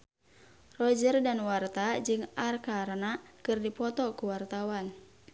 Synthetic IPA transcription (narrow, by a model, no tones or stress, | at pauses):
rɔd͡ʒərdanwart̪ad͡ʒɨŋarkarnakɨrdipɔt̪ɔkuwart̪awan